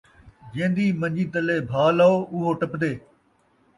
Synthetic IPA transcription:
d͡ʒẽːnd̪iːmə̃ɲd͡ʒiːt̪əleːbʱaːlaoːʔʊɦoːʈəpd̪eː

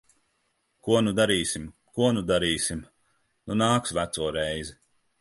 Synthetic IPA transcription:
kuɔnud̪aɾiːsim | kuɔnud̪aɾiːsim | nunaːksvæt̪suɔɾɛjzi

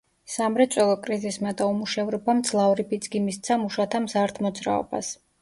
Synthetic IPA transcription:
samɾɛt̪sʼwɛlˠɔkʼɾizismad̪aumuʃɛvɾɔbamd̪z̥lˠavɾipʰid̪sʼɡimist̪sʰamuʃat̪ʰamzaɾt̪ʰmɔd̪zɾa̰ɔ̰ba̰s

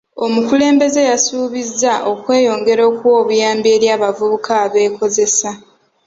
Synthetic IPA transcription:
o̞mukule̞ːmbe̞ze̞jasuːβizːaʔo̞kwe̞ːjo̞ːŋɡe̞ɾo̞ːkuwo̞ːβujaːmbie̞ːɾjaːβavuβukʰaːβe̞ːko̞ze̞sa

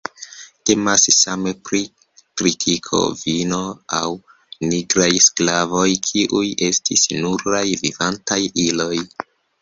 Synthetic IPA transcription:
te̞massamepɾi | kɾitʰikʰo̞̰vino̞aw | niɡɾajsklavo̞jkʰiʔuje̞stisnuɾajvivantajilo̞j

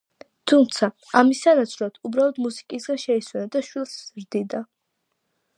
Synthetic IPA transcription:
t̪ʰumt̪sʰa | amisanat̪sʰɾat̪ʰubɾalˠɔd̪musi̥kʼisɡaʃɛiswɛnad̪aʃwilˠszɾd̪id̪a

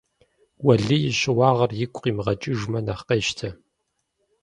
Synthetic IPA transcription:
wɐɮɨjɪɕʼɪwɑːʁɐrjɪkʷʼqiːmʁɐt͡ʃʼɪʒmɐnɐχqeːʃtʰɐ

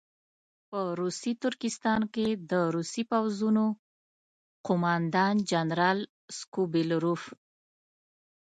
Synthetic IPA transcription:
pəɾusit̪ʊɾkɪst̪ɑnked̪əɾusipawzuno | qʊmɑnd̪ɑnd͡ʒanɾɑl | skubɪlɾuf

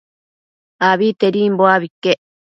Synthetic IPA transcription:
aβit̪eɾimboaβikːe

